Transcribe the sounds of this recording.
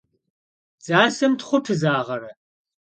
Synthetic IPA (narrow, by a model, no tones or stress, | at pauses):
t͡saːsɐmtχʷʊtʰɨzaːʁɐɾɐ